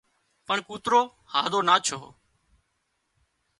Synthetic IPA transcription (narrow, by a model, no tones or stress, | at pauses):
pəɳkuːt̪ɾoː | haːd̪oːnaːt͡ʃʰo̰ː